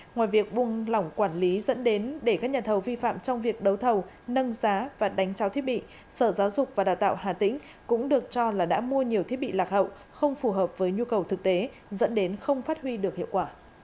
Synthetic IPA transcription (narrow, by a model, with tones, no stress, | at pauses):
ŋwaː˨˩jvi˨˩ək̚ɓʊ˨˩ŋlɔ˨˧˩wŋ͡mkwaː˧˩nli˨˦zə̰˧˥nɗe˨˦nɗe˧˩kaː˦˥k̚ɲaː˨˩t̪ʰə˨˩wvi˧fa̰ː˧˨mt͡ɕɔ˧wŋ͡mvi˨˩ək̚ɗə˨˦wt̪ʰə˨˩w | nə˧ŋzaː˨˦vaː˨˩ɗa˨˦jŋ̟t͡ɕaː˨˦t̪ʰi˦˥əɓḭ˧˨ | səː˧˩zaː˨˦wzʊ˨˩k͡p̚vaː˨˩ɗaː˨˩wt̪a̰ː˧˨whaː˨˩t̪ḭ̈˧˥ŋ̟ | kʊ̰˧˥ŋ͡mɗɨ˨˩ək̚t͡ɕɔ˧laː˨˩ɗa̰ː˧˥mu˧əɲi˨˩əwt̪ʰi˦˥əɓḭ˧˨laː˨˩k̚hə̰˧˨w | xə˧wŋ͡mfu˨˩ɦəː˨˩p̚vəː˨˦jɲu˧kə˨˩wt̪ʰɨ˨˩k̚t̪e˨˦ | zə̰˧˥nɗe˨˦nxə˧wŋ͡mfaː˦˥t̚hwi˧ɗɨ˨˩ək̚hḭ˧˨ə˨wkwaː˧˩